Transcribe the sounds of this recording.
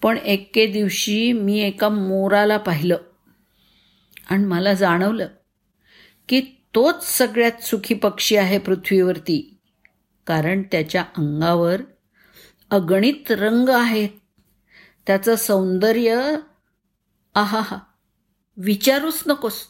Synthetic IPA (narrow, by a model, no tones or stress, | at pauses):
pəɳeked̪iʋɕiːmiːekamoɾalapaɦiləː | aɽ̃iməlad͡zaɽ̃əʋləː | kiːt̪ot͡ssəɡɭjat̪sukʰiːpəkʂiːaɦepɾut̪ʰʋiʋəɾt̪iː | kaɾəɳt̪jat͡ɕjaʔəŋɡaʋəɾ | əɡɳiːt̪ɾəŋɡaɦet̪ː | jat͡səsə̃wnd̪əɾjə | aɦaɦa | ʋit͡ɕaɾuːt͡snəkot͡s